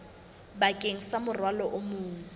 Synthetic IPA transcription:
bakʼeŋ̩samʊrwalɔʔʊmʊːŋ̩

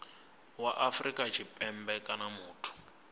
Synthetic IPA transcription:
waʔafrikʼat͡ʃʰipʼɛmbɛkʼanamuːtʰu̥

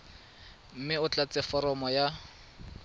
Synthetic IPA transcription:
m̩mɪʊt͡ɬat͡sʼɛfɔɾɔmɔja

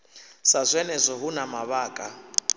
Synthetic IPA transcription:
sazʷɛnɛzʷɔɦunamaβaːkʼa

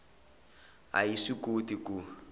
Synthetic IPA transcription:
a̰jisikotiku

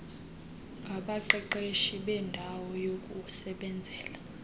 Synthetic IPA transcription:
ŋɡʱaɓaǃɛǃeʃiɓɛndʱawɔjokʼusɛɓɛnd͡zʱɛːla

